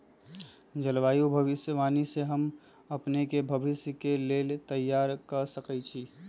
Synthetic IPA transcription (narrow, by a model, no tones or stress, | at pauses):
d͡ʒəlʋaːjubʱɐʋɪsjəʋaːniseɦəm | ɐpnekebʱɐʋɪsjəkeleːlt̪əjːaːɾkəɾsəkɛt͡ʃʰiː